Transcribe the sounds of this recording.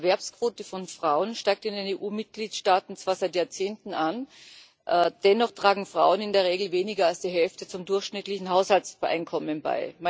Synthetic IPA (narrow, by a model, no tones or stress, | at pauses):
ɐvɛɐpskv̥oːtəfɔnfʁ̥aʊənʃtaɪk̚tɪndeneːʔuːmɪt̚ɡ̥liːtʃtaːtn̩t͡sv̥aːɐzaɪtjaːɐt͡seːntn̩ʔan | ʔd̥ɛnɔχtʁ̥aːɡŋ̩fʁ̥a̰ʊənɪndeːɐʁ̞eːɡl̩veːnɪɡɐalsd̥iːɦɛlftət͡sʊmdʊɐxçʃnɪtlɪçn̩ɦaʊshaltsbɐʔa̰ɪnkʰɔmənba̰ɪm